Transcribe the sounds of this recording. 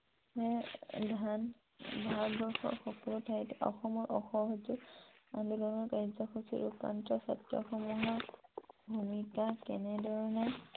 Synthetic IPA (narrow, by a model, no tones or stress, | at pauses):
ɛdʱan | bʱaɹbɔɹxɔ̰ɹxɔkɔlʊtʰajtɔ̰xɔmɔɹʔɔxɔɦɔzuanidɔnɔɹkaɹzɔxʰɔsʰiɹupa̰ntɹɔsa̰tjɔ̰xɔmuɦɔɹbʱumikakɛnɛdɔɹɔnɛ